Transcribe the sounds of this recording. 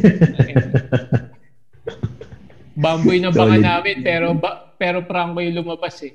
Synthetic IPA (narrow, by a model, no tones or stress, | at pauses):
baːmbʊjnɐbɐʔɐnaːmɪnpɛːɾobɐpɛːɾopɾaŋkɐjolʊmɐbasɛ